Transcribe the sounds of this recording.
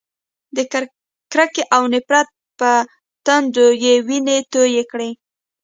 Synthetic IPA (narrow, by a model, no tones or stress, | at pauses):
d̪ə | kɾakeʔawnɪpɾat̪̚pə | t̪and̪ojewinet̪ojekɽe